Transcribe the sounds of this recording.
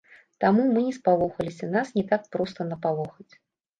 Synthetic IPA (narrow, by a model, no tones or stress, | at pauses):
t̪amumɨnʲɛspalˠɔxɐlʲisʲɐnasnʲɛt̪ak̚pɾɔst̪ɐnɐpalˠɔxɐt͡sʲ